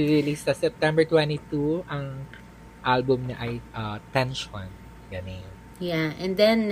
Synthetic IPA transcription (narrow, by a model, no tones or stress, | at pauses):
iɹɪlisɐsɛp̚t̪ɛ̃mbɛɹt̪wɛ̃nt̪it̪uʔɐŋ | ʔalbʊmɲɐʔɐjʔɐt̪ɛ̃nʃɔ̃n | jɐnɛ | jaʔɛ̃nd̪ɛ̃n